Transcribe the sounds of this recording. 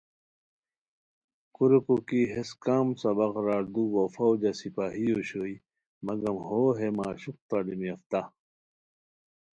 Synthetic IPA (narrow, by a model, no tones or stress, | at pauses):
kuɾekokiɦeskaːmsɐbɐqɾaːɾd̪ubofɐwd͡ʑɐsipaːɦijoːɕoːi | mɐɡɐmhoːɦemaːɕuq̚t̪aɖimiɐft̪a